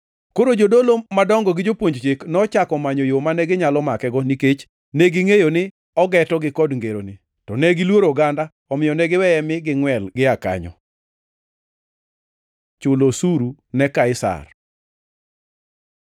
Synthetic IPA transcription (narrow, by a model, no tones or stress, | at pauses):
koɾod͡ʒodolomadɔŋɡɔɡɪd͡ʒopwoɲd͡ʒt͡ʃeknɔt͡ʃakɔmaɲojomanɛɡɪɲalɔmakɛɡɔniket͡ʃ | nɛɡɪŋejonɪ | ɔɡɛtɔɡɪkɔdŋɡeɾo̰nɪ | tɔnɛɡɪlwoɾoɡanda | ɔmɪjɔnɛɡɪwɛɛmɪɡɪŋwɛlɡɪaka̰ɲɔ̰ | t͡ʃʊlosuɾunɛkaɪsa̰r